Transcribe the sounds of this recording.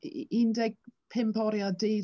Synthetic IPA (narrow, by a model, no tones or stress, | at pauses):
indɛɡ̥̚pʰɛmpʰɔɾjadi